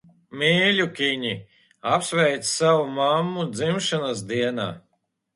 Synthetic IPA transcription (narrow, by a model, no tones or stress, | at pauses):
mʲiːlʲukʲiɲi | apsvʲɛjt̪ssawumamːud̪zimʃanasd̪iɛna̰ː